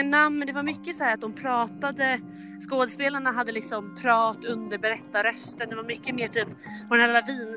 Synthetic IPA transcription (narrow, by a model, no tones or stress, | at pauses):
namnd̪ɛvaɾmʏkːəsɔhæːɾat̪̚d̪ɔmpʰɾɑːt̪ad̪ə | skoːd̪əspeːlaɳaɦad̪ːəlɪksɔmpʰɾɑːt̪ɵnd̪əɾbɛɾɛt̪ːaɾœst̪ənd̪ɛvaɾmʏkːəmeːʈʰyːpː | ɔd̪ɛnalːlaviːn